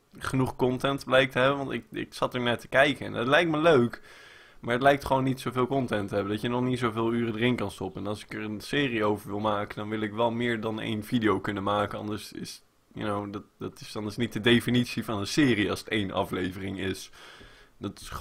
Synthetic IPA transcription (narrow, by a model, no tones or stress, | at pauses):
χənuχkɔntɛntblɛjk̚təɦɛbənʋɑntɪkɪ̰ksɑtəɹnaːɹtə̥kɛjkəɛ̰nətlɛjk̚tməløɥk | maːɹɦətlɛjk̚tχəʋownːitsowvɪːlˠkɔntɛntəɦɛbəndɑtjənɔχnitsowvɪːlˠyːrədərɪnkɑnstɔpəɛnɑlˠsɪ̥kərənsɪːriowvəɹʋɪlˠmaːkəndɑnʋɪlˠɪkʋɛlˠmɪːɹdɑnḛjnvidijowkɵnənmaːkənɑndəɹsɪ̰s | jə̰nowdɑtdɑtɪsɑndəɹsnit̚dədejfinitsivɑnənsɪːriɑlˠsətejnʔɑ̰flejvərɪŋɪs | dɑtɪ̥